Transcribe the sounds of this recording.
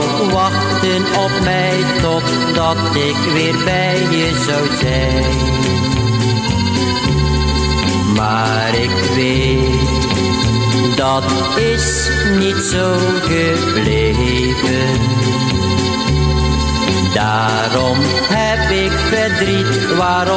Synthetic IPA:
ʋɑχ | tən | ɔpmɛj | tɔt | dɑt | ɪkʋɪːɹbɛjjjəzɑwzɛjjjjn | maː | ɾɪk | ʋe | t | dɑt | ɪs | nitsow | χə | ble | jvənn | daː | ɾɔm | ɦɛp | ɪkfəɹdrit | ʋaːr

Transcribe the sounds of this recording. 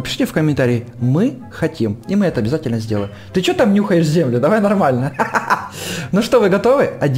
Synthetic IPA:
pʲɪ̥ʂɨ̥tʲɪfkəmʲɪnt̪aɾʲɪːmɨ | xɐtʲimimɨɛt̪əɐbʲɪzatʲɪlʲnəzʲdʲeləɪmt̪ɨt͡ɕot̪amnʲuxəjɪʂzʲemlʲʊd̪ɐvajnɐrmalʲnə | noʂt̪ovɨɡɐt̪o̞vɨɐdʲ

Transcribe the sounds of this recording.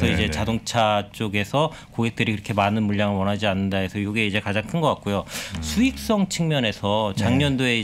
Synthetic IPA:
sʰʌid͡ʑe̞t͡ɕadoŋt͡ɕʰat͡ɕ͈oɡe̞sʰʌ | koɡe̞k̚t͈ɯɾikɯɾʌkʰe̞manɯnmuʎːaŋɯɭwʌnɦad͡ʑianːɯndaesʰʌjoɡeid͡ʑe̞kad͡ʑaŋkʰɯnɡʌk͈at̚k͈ojosʰuik̚s͈ʌŋt͡ɕʰiŋmjʌne̞sʰʌt͡ɕaŋɲʌndoe̞i

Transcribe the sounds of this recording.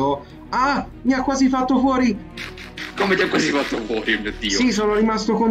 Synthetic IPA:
o | a | miakːwaːzifat̪ːofwɔːɾi | komet̪jakːwazifat̪ːofwɔːɾimiod̪ːisːsisoːnoɾimast̪okon

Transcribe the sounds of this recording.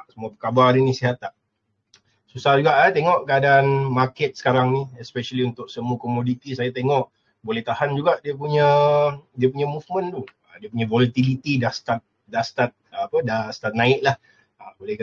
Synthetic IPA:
səmuapəkabarninisiɦat̪aʔ | susahd͡ʒuɡaʔat̪eŋɔʔkəadanmakɛt̪̚sə̥kaɾaŋniɛspɛʃəliunt̪ʊksəmukomodit̪isajat̪eŋɔʔ | bolɛht̪ahand͡ʒuɡaʔdiəp̬uɲədiəpuɲəmufmə̃nt̪uədiəpuɲəvolat̪ilit̪idast̪at̪̚ | dast̪at̪̚əːpədast̪at̪̚nãɪt̪̚lah | abolɛh

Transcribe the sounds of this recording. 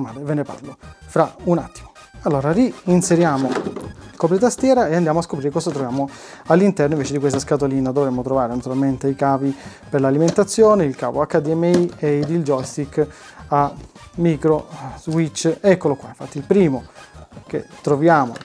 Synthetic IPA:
maːlevenepa̰rlofɾauna̰t̪ːi̥mo | alːoːɾariːnseɾjaːmoilkɔp̬ɾit̪ast̪jɛːɾaeand̪jamoaskopɾiɾekɔzat̪ɾovjaːmo | alːint̪ɛrnoiɱveːt͡ʃed̪ikwest̪askat̪oliːnad̪ovɾemːot̪ɾovaːɾenat̪uɾalment̪eikaːvi | perlaliment̪at̪sːjɔːneilka̰ːvo̰akːad̪iɛmːeieid̪ild͡ʒɔjst̪ik | amːikɾozwit͡ʃːɛkːolokːwaiɱfat̪ːilpɾiːmokḛt̪ːɾovjaːmo̰

